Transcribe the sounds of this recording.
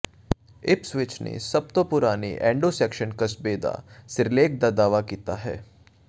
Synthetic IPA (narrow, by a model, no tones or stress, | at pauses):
ɪpsʋɪt͡ʃnḛsɐb̚t̪opʊɾaːniʔɛ̃ːɳɖosɛːkʃənkɐsbeːd̪a̰ːsɪɾleːk̚d̪ad̪aːʋakiːt̪aɦɛ̰ː